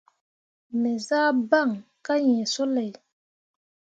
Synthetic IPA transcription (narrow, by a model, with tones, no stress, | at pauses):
me˨zaː˦ba˦˨ŋ | ka˦jẽ˨so˦le˨j